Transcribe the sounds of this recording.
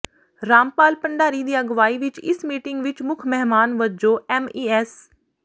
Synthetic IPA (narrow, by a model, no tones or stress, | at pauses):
ɾaːmpaːlpəɳɖaːɾiːd̪iːəɡʋaːiːʋɪt͡ʃɪ̰smiːʈɪŋɡʋɪt͡ʃmʊkʰmɛɦmaːnʋəd͡ʒoːɛːmiːɛs